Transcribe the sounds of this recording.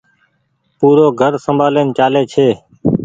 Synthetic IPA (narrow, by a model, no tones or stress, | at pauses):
puːɾoːɡʱəɾsəmbʱaːleːnt͡ʃaːleːt͡ʃʰeː